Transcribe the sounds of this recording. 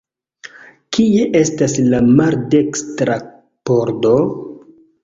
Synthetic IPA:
kie̞ʔe̞staslamaɾde̞kstɾa | po̞ɾdo

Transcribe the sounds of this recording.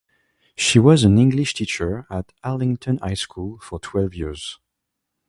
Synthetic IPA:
ʃiwʌzæ̃nɪ̃ŋɡliʃtʰit͡ʃə˞ət | ælɪ̃ŋtʰɔ̃na̰jskʰulˠfɔ˞tʰw̥ɛlˠvjɪɹz̥

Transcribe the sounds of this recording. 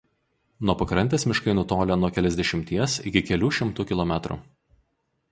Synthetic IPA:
nuɔpɐkɾɐnʲt̪ʲeːsmʲɪʃkɐɪnʊt̪oːlʲɛnuɔkʲɛlʲɛzʲd̪ʲɛʃʲɪmʲt̪ʲiɛsɪkʲɪkʲɛlʲuːʃʲɪmt̪uːkʲɪlˠɔmʲæt̪ɾṵ

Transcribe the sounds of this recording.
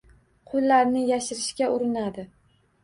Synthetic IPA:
qʰʊlˠːaɾnɪjaʃɪɾɪʃkʲaʔʊɾɪnad̪ɪ

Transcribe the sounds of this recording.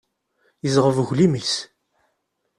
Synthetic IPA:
jəzʁəvʝlimis

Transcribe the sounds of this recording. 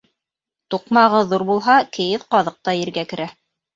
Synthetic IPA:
t̪uqmɑʁɤðuɾbulˠɦɑkɘ̆jɘðqɑðɤq̚t̪ɑjɘ̆ɾɡækɘ̆ɾæ

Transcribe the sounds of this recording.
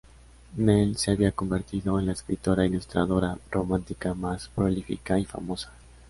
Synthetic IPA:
nelseaβiako̞mbe̞ɾt̪iðo̞enlaeskɾit̪o̞ɾailust̪ɾaðo̞ɾaro̞mãnt̪ikamaspɾolifḭkaifa̰mo̞sḁ

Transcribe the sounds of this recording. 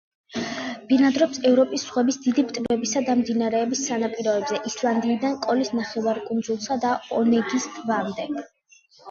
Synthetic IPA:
b̥inad̪ɾɔpsɛvɾɔpʼisːχʁwɛbisd̪id̪ipt̪ʼvɛbisad̪amd̪inaɾɛːbisanapʼiɾɔɛbzɛʔislˠand̪iːd̪ankʼɔlisnaχɛvaɾkʼund̪zulˠsad̪aɔnɛɡist̪ʰʼvamd̪ɛ

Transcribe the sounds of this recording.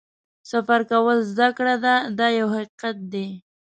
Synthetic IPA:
safaɾkawəlzd̪akɽad̪ad̪ɑjawhaqiqat̪̚d̪e

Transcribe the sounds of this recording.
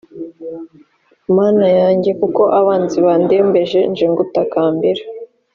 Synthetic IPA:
maːnajaːɲɟe̞kuko̞ʔaβaːnziβandeːmbe̞ʒe̞nʒeŋɡutakaːmbeɾa

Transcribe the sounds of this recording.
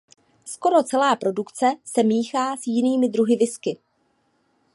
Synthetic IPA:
sko̞ɾo̞t͡sɛlaːpɾo̞dukt͡sɛsɛmiːxaːsjɪniːmɪd̪ɾuɦɪvɪskɪ

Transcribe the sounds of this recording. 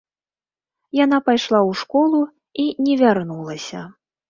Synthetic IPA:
janapajʂlˠawʂkɔlˠu | inʲɛvʲarnulˠɐsʲɐ̰

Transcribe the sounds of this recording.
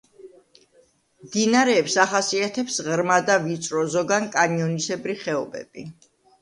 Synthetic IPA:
md̪inaɾɛːpsaχasiat̪ʰɛpsʁɾmad̪avit̪sʼɾɔzɔɡankʼaniɔnisɛbɾiχɛɔbɛ̰b̥i

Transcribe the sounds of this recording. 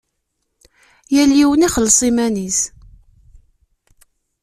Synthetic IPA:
jælːiwəniχəlːsˤimænis

